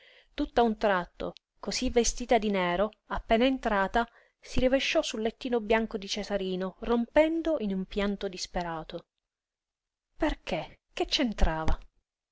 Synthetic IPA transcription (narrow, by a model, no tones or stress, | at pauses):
t̪ut̪ːaunt̪ɾat̪ːo̰ | kosivːest̪iːt̪ad̪inɛːɾo | apːɛːnaent̪ɾaːt̪a | siɾiveʃːɔsulːet̪ːiːnobjaŋkod̪it͡ʃesaɾiːnorompɛnd̪oʔinumpjant̪od̪ispeɾaːt̪o | perkek̟et͡ʃːent̪ɾaːva